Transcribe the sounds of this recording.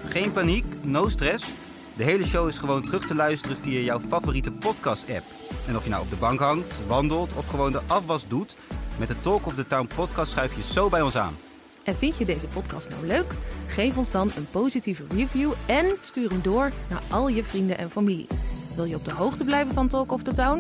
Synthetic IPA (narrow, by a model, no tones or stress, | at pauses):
χejnpaniknowstrɛs | dəɦejləʃowɪsχəʋowntərɵχtəlœɥstərəvijaːjɔwfavoːritəpɔtkɑstɛ̰p | ɛnɔfjəna̰wɔ̰bdəbɑŋkɦɑŋktʋɑndəlˠtʰɔfχəʋowndəʔɑfʋɑsdut | mɛt̚dətɔlˠkɔfdətawnpɔtkɑstsχɛɥfjəz̥owbɛjɔnsa̰ːn | ʔɛnvɪntjədejzəpɔtkɑ̰stna̰wløɥkχejfɔnzdɑnənpowzitivərivjuɛnstyːrəmdʊːɹna̰ːɹʔɑlˠjəvrindənʔɛ̰nfamilḭʋɪlˠjəɔb̚dəɦowχtəblɛjvənvɑntɔlˠkɔvdətawn